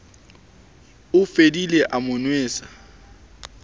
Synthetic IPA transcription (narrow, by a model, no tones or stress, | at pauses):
ʊfedileʔamʊnweːsḁ